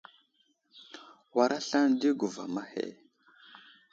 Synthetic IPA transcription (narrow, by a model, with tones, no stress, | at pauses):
wa˨ɾa˦ɬa˦ndi˦ɡu˨va̰˨ma˦hḛ˨